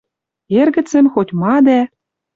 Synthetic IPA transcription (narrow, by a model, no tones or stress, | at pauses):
erɣɘ̆t͡sɘ̆nxotʲmɑd̪æ